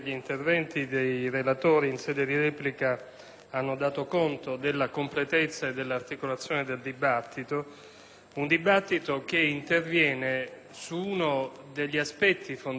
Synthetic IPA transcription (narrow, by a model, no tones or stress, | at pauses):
ʎiːnt̪ervɛnt̪id̪ejrelat̪oːɾiːnsɛːd̪ed̪iɾɛːplika | anːod̪aːt̪okont̪od̪elːakomplet̪et̪sːaed̪ːelːart̪ikolat̪sːjoːned̪eld̪ibat̪ːit̪o | und̪ibat̪ːit̪ok̟eint̪ervjɛːne | suuno | d̪eʎːiaspɛt̪ːifon